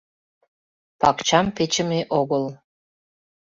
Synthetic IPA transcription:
pɑkt͡ɕɑmpet͡ɕə̆meʔoɣəl

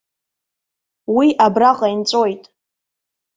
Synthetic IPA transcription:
wiʔabraqʼaint͡sʷʼo̞jtʼ

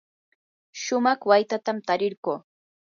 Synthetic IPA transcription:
ʃʊmɑχwajt̪at̪amt̪aɾɪɾɢoː

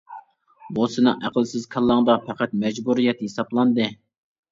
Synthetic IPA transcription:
bosɨnɨ̰ŋæqlsɪz̥kʰɑlˠːɑŋd̪ɑpʰɛqæt̪̚mɛd͡ʒbuɾijɛt̪hesɑblˠɑnd̪ɨ

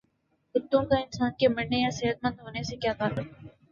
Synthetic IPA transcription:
kʊt̪ːõkaɪnsaːnkemɐɽːejaseːɦət̪̚mə̃nd̪ɦoːnesekjaːk̪aːɾəkɛ

